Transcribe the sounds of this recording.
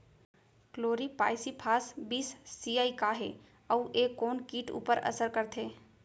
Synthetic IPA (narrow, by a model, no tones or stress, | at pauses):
kloːɾipa̰ːɪsipʰaːsbiːsːiːaːikaɦe | əuʔeːkːɔːnkiːʈṵːpəɾɐ̰səɾkəɾt̪ʰeː